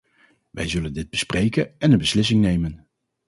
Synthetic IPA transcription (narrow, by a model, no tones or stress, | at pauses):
ʋɛ̰jzɵləndɪd̚bəsprejkənɛnənbəslɪs̬ɪŋnejmən